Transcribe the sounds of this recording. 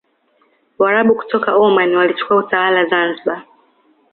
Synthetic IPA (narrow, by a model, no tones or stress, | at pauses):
waɾaɓuku̥tɔkaɔmaniwalit͡ʃu̥kuautawalazanziɓa